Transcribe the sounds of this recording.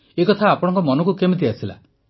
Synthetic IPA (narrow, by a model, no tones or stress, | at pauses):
ekɔt̪ʰaːpɔɽ̃ɔ̃ŋkɔmɔnɔkukemet̪̬iasʰila̰